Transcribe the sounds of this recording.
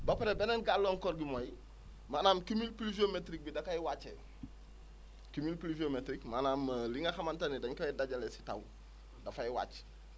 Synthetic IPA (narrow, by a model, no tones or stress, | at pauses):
bɐpɐɾebɛnɐnɡalːɔŋkɔɾɡimoj | maːnaːmkimilpluʒiometɾik̚bidɐkɐjwat͡ʃːḛ | kimilpluʒiometɾikmaːnaːmliŋɡɐxɐmantɐnidɐŋkɔjdaɟɐlesi̥ta̰w | dɐfɐjwa̰ːt͡ʃ